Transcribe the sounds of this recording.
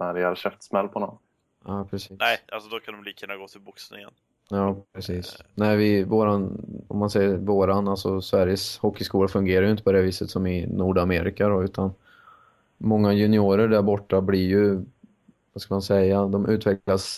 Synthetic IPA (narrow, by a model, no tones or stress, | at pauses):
næɾɛaɾɕɛft̪smɛlːpʰɔnɔn | aːpʰɾɛsiːnɛɪʔalsɔd̪ɔkʰand̪ɔmliːkʰɵnːaɡoːt̪ʰɪlbʊksnɪ̰ŋə̰n | ɑːpʰɾɛsiːsnɛɪvɪvoːɾanɔ̰mːansɛjːəɾvoːɾanalsɔsvæɾjəshɔkːɪskuːlafɵŋɡeːɾajʏɪnt̪əpɔd̪ɛviːsət̪sɔmɪnuːɖameːɾɪkad̪ɔʉ̟ːt̪ʰan | mɔŋːajɵnɪuːɾəɖæɾbɔʈːablɪɾjɵ | vaskamansɛjːad̪ɔmʔʉ̟ːt̪vɛklas